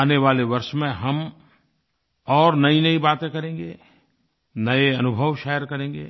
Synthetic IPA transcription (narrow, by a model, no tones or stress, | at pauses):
neʋaːleʋɐɾʃmẽɦɐm | ɔːɾnɐinɐibaːt̪ẽkɐɾẽːŋɡeː | nɐeɐnʊbʱəʋʃɛːjəɾkɐɾẽːŋɡḛː